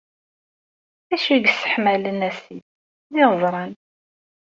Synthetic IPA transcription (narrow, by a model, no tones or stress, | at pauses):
æʃiɡsə̥ħmælənæsi | nɪzˤɾˤɑn